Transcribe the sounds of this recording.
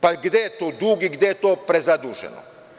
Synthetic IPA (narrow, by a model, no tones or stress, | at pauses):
paɡd̪ʲejet̪oːd̪uːɡiɡd̪jejet̪oːpɾezad̪uːʒɛ̰no̰